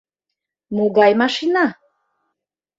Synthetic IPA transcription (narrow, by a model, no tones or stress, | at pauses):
moɡɑjmɑʃinɑ